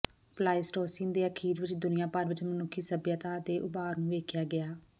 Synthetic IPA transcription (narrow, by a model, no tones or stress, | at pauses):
plaːisʈoːsɪŋd̪eːəkʰiːɾʋɪt͡ʃd̪ʊnɪjãːpəɾʋɪt͡ʃmənʊkʰːiːsəbjãːt̪ãːd̪eːʔʊbaːɾnũːʋeːkʰjaːɡɪaː